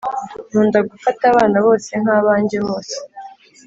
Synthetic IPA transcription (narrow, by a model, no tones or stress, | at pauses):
n̥uːndaɡufataβaːnaβo̞ːse̞ŋ̥haːβaːɲɟeβo̞ːse̥